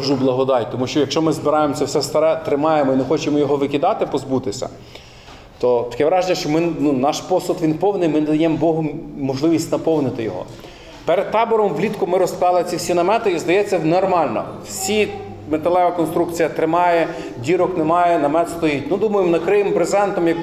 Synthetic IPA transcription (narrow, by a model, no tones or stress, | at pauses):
ʒublˠɐɦɔd̪ɑjt̪ɔmuʃt͡ʃɔjɐkʃt͡ʃɔmɪzbɪɾɑjemsʲɛwsɛst̪ɐɾɛt̪ɾɪmɑjemɔinexɔt͡ʃɪmɔjɔɦɔʋɪkʲɪd̪ɑt̪ɪpɔzbut̪ɪsʲɐ̰ | t̪ɔt̪ɐ̥kʲɛʋɾɑʒenʲɐʃt͡ʃɔmɪnunɑʃpɔsʊt̪ʋʲinpɔwnɪjmɪnd̪ɐjɛmbɔɦʊmːɔʒlˠɪʋʲisʲtʲnɐpɔwnɪt̪ɪjɔ̰ɦɔ̰ | peɾed̪̚t̪ɑbɔɾɔmʋlʲit̪kʊmɪɾɔst̪ɑlˠɪt͡sʲiwsʲinɐmɛt̪ɪizd̪ɐjɛt͡sʲːɐnɔrmɑlʲnɐ̰wsʲi | met̪ɐlˠɛʋɐkɔnst̪ɾukt͡sʲijɐt̪ɾɪmɑjɛ | dʲiɾɔknemɑjɛnɐmɛt̪st̪ɔjit̚ʲnʊd̪umɐjɪmnɐkɾɪjɪmpɾezɛnt̪ɔmjɐk